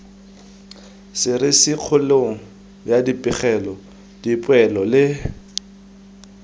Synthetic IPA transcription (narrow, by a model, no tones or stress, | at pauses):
sɪɾɪsɪq͡χʰʊleŋ̩ | bjadipʼɪχɛlɔ | d̥ipʼwɛlɔlɪ